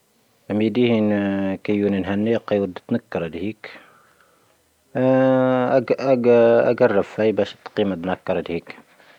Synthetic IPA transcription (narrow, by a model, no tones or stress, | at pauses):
mid̪ihinkæjːuːninɦænːeqːɑjwʊd̪ːt̪nakːɑɾˤd̪hiːk | a̰ɡɑrˤːɑbfæjbæʃt̪ːqiːmat̪nakːɑɾˤɑd̪hiːk